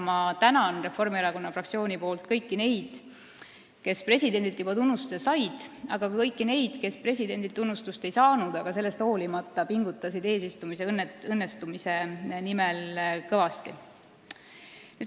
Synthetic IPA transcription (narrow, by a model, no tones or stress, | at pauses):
mɑt̪ænɑnre̞fo̞rmiɑɾɑko̞nːɑfrɑk̚tsio̞ːnipo̞ːlt̪kɤ̞jkːine̞jd̪̥ | ke̞spre̞s̬ʲid̪̥e̞nd̪ilt̪ːˑjub̥ɑt̪unːust̪u̥sesɑjd̪̥ɑ̰ɡ̥ɑkɤjkˑːine̞jd̪̥ke̞spre̞s̬ʲid̪e̞nd̪̥ilt̪unːust̪ust̪e̞jsɑːnud̪̥ɑɡ̥ɑse̞lːe̞st̪ho̞ːlimɑt̪ːˑɑpiŋɡut̪ːˑɑsid̪e̞ːs̬ist̪umise̞nːɤnːest̪umise̞nimelkɤvɑst̪i | nyː